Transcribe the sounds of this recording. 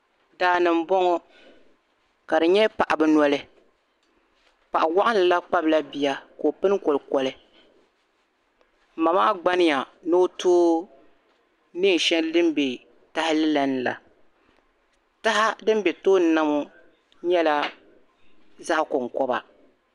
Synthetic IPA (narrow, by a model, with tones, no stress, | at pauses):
daː˨nɨ˨m̩˦bɔ˦ŋɔ˦ | ka˨dɨ˨ɲɛ˦pa˨ʔa˨bɨ˦nɔ˦lɨ˦ | pa˨ʔa˨wa˦ʔa˦nɨ˨la˦k͡pa˦bla˦bi˨ja˦ko˨pɨ˦n˦kɔ˨lkɔ˨lɨ˦˨ | ma˨maː˦ɡ͡ba˦nɪ˦ja˨no˦tʰoː˦ | nɨ˦ŋ˨ʃɛ˦n˦lɨ˦m˦be˨ | ta˦hɪ˦lɨ˦la˦nɨ˨la̰˨ | ta˦ɦa˦dɨ˦m˦bɛ˨toː˦n˨˦na˦mo˦ | ɲɛ˦la˦ | za˦ʔkʊ˨ŋ˨kɔ˦ba̰˨